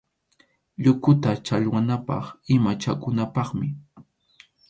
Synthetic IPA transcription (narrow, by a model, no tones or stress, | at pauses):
ʎʊkʊt̪at͡ʃaʎwanapɑ̰χɪmat͡ʃakʊnapɑχmɪ